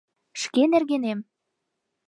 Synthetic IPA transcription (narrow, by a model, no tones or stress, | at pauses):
ʃkenerɣenem